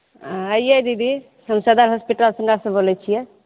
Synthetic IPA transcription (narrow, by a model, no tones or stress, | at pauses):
ãəjjejd̪id̪i | həmsəd̪aɾɦɔspiʈalsə̃ŋɡasə̃bolɛt͡ʃʰijɛ